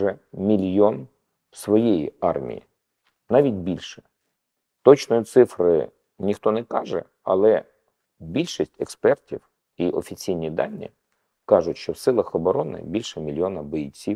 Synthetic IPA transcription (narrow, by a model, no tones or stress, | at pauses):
ɛmʲilʲjɔn | wsʋɔjijḭɑrmʲḭjḭ | nɑʋʲidʲbʲilʲʃɛ̥ | t̪ɔt͡ʃnɔjʊt̪sɪfɾɪ | nʲixt̪ɔnɛkɑʒɛ̰ | ɐ̰lˠɛ | bʲilʲʃisʲtʲɛkspɛrtʲiw | iʔɔfʲit͡sʲijnʲid̪ɑ̰nʲːḭ | kɑʒʊtʲʃt͡ʃɔwsɪlˠɐxɔbɔɾɔnɪ̰bʲilʲʃɛmʲilʲjɔnɐbɔjit͡sʲiw